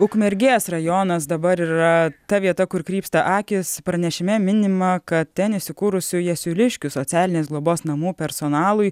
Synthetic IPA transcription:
ʊkmʲɛɾʲɡʲeːsrɐjoːnɐsd̪ɐbɐɾiːɾɐt̪ɐʋʲiɛt̪ɐkʊɾkɾʲiːpst̪ɐʔɑːkʲɪspɾɐnʲɛʃʲɪmʲɛmʲɪnʲɪmɐkɐt̪̚t̪ʲɛnɪʃsʲɪkuːɾʊsʲʊjɛsʲʊlʲɪʃʲkʲʊsoːtsʲæːlʲɪnʲeːsɡlˠoːboːsnɐmuːpʲɛɾsoːnɑːlˠʊj

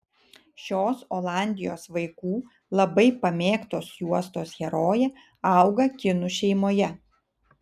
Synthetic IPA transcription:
ʃʲoːsoːlˠɑˑnʲd̪ʲɪjoːsʋɐɪkuː | lˠɐbɐɪpɐmʲeːkt̪oːsjuɔst̪oːsxʲɛɾoːjɛ | ɑˑʊɡɐkʲɪnʊʃʲɛɪmoːjɛ

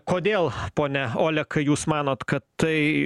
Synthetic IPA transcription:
koːd̪ʲeːlˠpoːnʲɛoːlʲɛkɐɪjuːsmɑːnoːt̪kɐt̪t̪ɐɪ

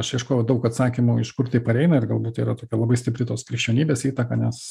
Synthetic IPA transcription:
ɐʃiɪʃkoːʋɐd̪ɐʊkɐt̪sɑːkʲɪmuɪʃkʊɾt̪ɐɪpɐɾʲɛɪnɐɪrɡɐlˠbuːt̪iːɾɐt̪oːkʲɛlˠɐbɐɪsʲt̪ʲɪpʲɾʲɪt̪oːskɾʲɪkʃʲt͡ʃʲɛːnʲiːbʲeːsiːt̪ɐkɑnʲɛs

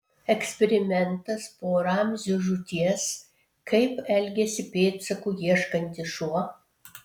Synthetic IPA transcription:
ɛksʲpʲɛɾʲɪmʲɛnt̪ɐspoːɾɑmʲzʲʊʒʊt̪ʲiɛs | kʰɐɪpɛlʲɡʲɛsʲɪpʲeːt̪sɐkuːjiɛʃkɐnʲt̪ʲɪʃuɔ

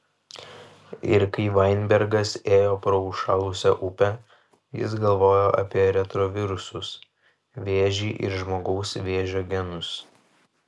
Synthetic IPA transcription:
ɪɾkɐɪʋɐɪnʲbʲɛɾɡɐseːjoːpɾɔʊʃɑːlˠʊsʲɛʔʊpʲɛ | jɪ̰s̬ɡɐlˠʋoːjoːʔɐ̰pʲiɛɾʲɛt̪ɾoːʋʲɪɾʊsʊs | ʋʲeːʒʲiːʔɪ̰ɾʒmoːɡɐʊsʋʲeːʒʲoːɡʲɛnʊs

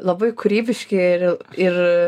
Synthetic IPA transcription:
lˠɐbɐɪkʰʊɾʲiːbʲɪʃʲkʲɪɾɪɾ

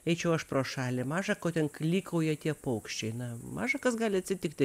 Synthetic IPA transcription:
ɛɪt͡ʃʲɛʊɐʃproːʃɑːlʲɪmɑːʒɐkoːt̪ʲɛnklʲiːkɐʊjɪɐt̪ʲiɛpɐʊkʃʲt͡ʃʲɛɪnɐmɑ̰ːʒɐkɐsɡɑːlʲɪɐt̪ʲsʲɪt̪ʲɪkt̪ʲɪ

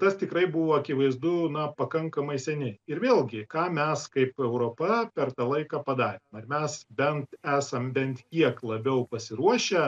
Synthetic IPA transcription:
t̪ɐst̪ʲɪkrɐɪbʊʋoːɐkʲɪʋɐɪzd̪ʊnɐpɐkɐŋkɐmɐɪsʲɛnʲɪɪɾʋʲeːlʲˠɡʲɪkɑːmʲɛskɐɪpɛʊɾoːpɐpʲɛrt̪ɑːlˠɐɪkɑːpɐd̪ɑːɾʲeːmɐrmʲɛsbʲɛnt̪æːsɐmbʲɛnt̪kʲiɛklˠɐbʲɛʊpɐsʲɪɾuɔʃʲɛ

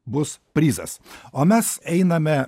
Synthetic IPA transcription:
bʊspʲɾʲiːzɐ̰soːmʲɛsɛɪnɐmʲɛ

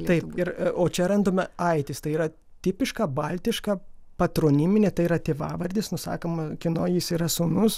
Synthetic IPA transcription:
lt̪ɐɪpɪɾoːt͡ʃʲɛɾɐnd̪oːmʲɐɐɪt̪ʲɪst̪ɐɪiːɾɐ | t̪ʲɪpʲɪʃkɐbɐlʲt̪ʲɪʃkɐpɐt̪ɾoːnʲɪmʲɪnʲeːt̪ɐɪiːɾɐt̪ʲeːʋɑ̰ːʋɐɾʲd̪ʲɪsnʊsɑ̰ːkomɐkʲɪnoːjɪsiːɾɐsoːnʊs

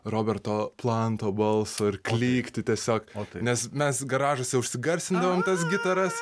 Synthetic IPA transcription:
roːbʲɛrt̪oːplˠɐnt̪oːbɐlˠsoːɪrklʲiːkt̪ʲɪt̪ʲiɛsʲoːkːt̪nʲɛsmʲɛsɡɐɾɑːʒosʲɛʊʃʲsʲɪɡɐɾʲsʲt̪ʲɪnd̪ɐʋoːmt̪ɐsɡʲɪt̪ɐɾɐs

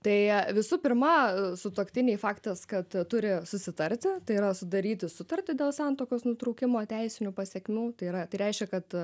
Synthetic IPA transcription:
t̪ɐɪʋʲɪsuːpʲɪrmɐsʊt̪oːkt̪ʲɪnʲɛɪfɑːkt̪ɐskɐt̪t̪ʊɾʲɪsʊsʲɪt̪ɐɾʲt̪ʲɪt̪ɐɪiɾɐsʊd̪ɐɾʲiːt̪ʲɪsʊt̪ɐɾʲt̪ʲɪd̪ʲeːlˠsɑnt̪oːkʲoːsnʊt̪ɾɐʊkʲɪmoːt̪ʲɛɪsʲɪnʲʊpɐsʲɛkʲmʲuːt̪ɐɪɾɐt̪ɐɪɾʲɛɪʃʲkʲɛkɐt̪

